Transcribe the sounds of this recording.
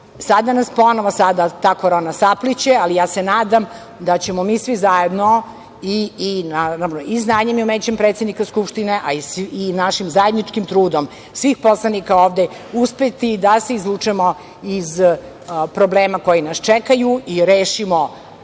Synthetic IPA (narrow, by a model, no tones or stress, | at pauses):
sad̪anaspo̞noʋosad̪at̪aːkoɾonasaplit͡ɕealijaːsenaːd̪am | d̪at͡ɕemomiːsʋizajed̪no | inanaoiznaːɲemiumet͡ɕempɾet̪sed̪nikaskupʃt̪ineʔaisinaʃimzajed̪nit͡ʂkimt̪ɾuːd̪om | sʋixposlˠanikaoːʋd̪e | uspet̪id̪aseizlˠut͡ʂɛmo | iz | pɾobleːmako̞jinast͡ʃɛkajuiɾeːʃimo